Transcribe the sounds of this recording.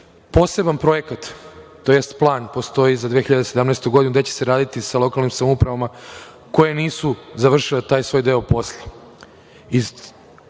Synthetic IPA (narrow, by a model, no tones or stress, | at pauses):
po̞ːse̞banpɾo̞je̞kat̪t̪ːo̞je̞st̪plˠaːnpo̞st̪o̞izad̪ʋexiʎad̪ese̞d̪amnɛst̪uɡd̪inuɡd̪et͡ɕese̞ɾaːd̪it̪isalˠo̞kalˠnimsamoupɾaʋama | ko̞jeniːsuzaʋr̩ʃilet̪aːjsʋo̞ːjd̪e̞opo̞sle̥ | i